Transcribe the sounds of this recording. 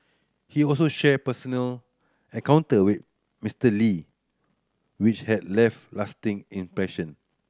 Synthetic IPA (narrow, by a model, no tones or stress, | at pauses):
hiɔlsoʃɛpəsənəl | ɛ̃kãʊ̃ntəwɪt̚ | mistəli | wit͡ʃhɛdlɛftlastĩŋĩmpɹɛʃə̃n